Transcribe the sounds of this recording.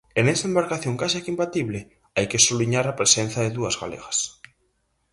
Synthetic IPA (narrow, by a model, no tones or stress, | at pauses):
enɛsaɐembaɾkaθjõŋkasakimpat̪iβlɪ | ajkesuβliɲaɾɐpɾesenθɐðɪðuɐzɣa̰lḛɣɐs